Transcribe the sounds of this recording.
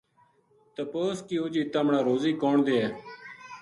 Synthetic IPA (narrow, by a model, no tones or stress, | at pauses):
t̪əpoːskiːoːd͡ʒiːt̪əːmɳaːɾoːziːkoːɳd̪eːɦɛː